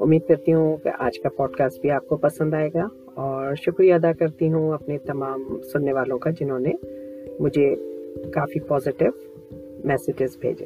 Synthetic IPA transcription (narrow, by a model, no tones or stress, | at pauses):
ʊ̰mːiːd̪̚kɐɾt̪iɦũkḛʔa̰ːd͡ʒkapɔːɖkaːsʈ̚bʱiaːp̚kopɐsə̃nd̪aːeːɡa | ɔːɾʃʊkɾijaɐd̪akɐɾt̪iɦũɐpnet̪ɐmaːmsʊnːeʋaːlõkad͡ʒɪnɦõːnemʊd͡ʒʱekaːfipɔːzɪʈɪʋ | mɛːsɪd͡ʒɪzbʱḛːd͡ʒḛː